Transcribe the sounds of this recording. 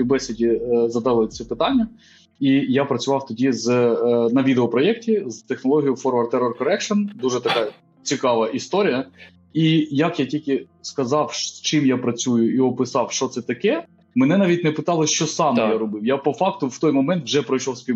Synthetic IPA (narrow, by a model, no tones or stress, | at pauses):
bɛsʲɪdʲizɐd̪ɑlˠɪsʲɛpɪt̪ɑnʲːɐ | ijapɾɐt͡sʲʊʋɑwt̪ɔdʲiznɐʋʲid̪eɔpɾɔjɛktʲizt̪exnɔlˠɔɦʲijʊfɔrʋɐrt̪ɛɾɔrkɔɾɛkʃɔnd̪uʒɛt̪ɐkɑ | t͡sʲikɑʋɐʔist̪ɔɾʲijɐ | ijɐkjatʲilʲkɪ | skɐzɑwt͡ʃɪmjapɾɐt͡sʲujʊiɔpɪsɑwʃt͡ʃɔt̪sɛt̪ɐkɛ | mɛnɛnɑʋʲit̚ʲnɛpɪt̪ɑlˠɪʃt͡ʃɔsɑmjaɾɔbɪwjapɔfɑk̚t̪ʊwt̪ɔjmɔmɛnt̪wʒɛpɾɔjʃɔwsʲpʲi